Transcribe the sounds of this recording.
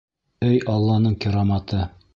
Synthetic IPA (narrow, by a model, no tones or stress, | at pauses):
ɵjɑlˠːɑnɤɴkʲĭɾɑmɑt̪ɤ